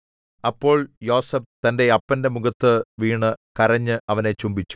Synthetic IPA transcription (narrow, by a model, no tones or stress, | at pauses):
ɐpːo̞ːɭjo̞ːsef̚t̪ɐnde̞ɐpːɐnde̞muɡɐt̪ːɨʋiːɳɨkɐrɐɲːɨʔɐʋɐne̞t͡ɕumbit͡ɕːu̥